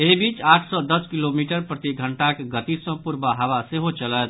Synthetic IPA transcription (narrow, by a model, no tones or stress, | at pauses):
ebit͡ʃaʈʰsɔd̪əskilomiʈəɾpɾət̪iɡʱəɳʈakɡət̪isə̃puɾbaɦaβaseɦot͡ʃələt̪̚